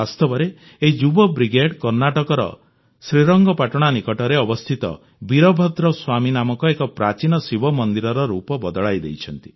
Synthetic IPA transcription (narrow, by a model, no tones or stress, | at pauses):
bast̪ɔbɔɾe | eɦid͡ʒubɔbɾiɡeɽkɔɾnaʈɔkɔɾɔ̰ | sɾiɾɔŋɡɔpaʈɔɽ̃anikɔʈɔɾeɔbɔst̪ʰit̪ɔ̰ | biɾɔbʱɔd̪ɾɔswaminamɔkɔekɔpɾat͡ʃinɔsibʱɔmɔnd̪iɾɔɾɔɾupɔbɔd̪ɔɭajd̪ejt͡ʃʰɔnt̪i̥